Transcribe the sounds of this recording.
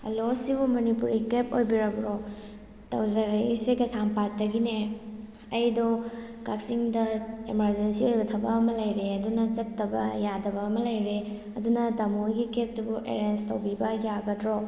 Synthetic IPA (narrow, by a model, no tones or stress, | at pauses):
ɐ̰losibumɐnipuɾikepo̰jbiɾɐbɾo | tɐ̰wzɐɾɐjseɡɐsampatːɐɡine | ɐjdokak̚siŋdɐemɐɾd͡ʒensiojbɐtʰɐbɐɐmɐlɐjɾeɐdunɐt͡ʃɐtːɐbɐ̰jadɐbɐːmɐlɐjɾe | ɐdunɐtɐmojɡikep̚dubuʔḛɾenstɐwbibɐjaɡɐtɾo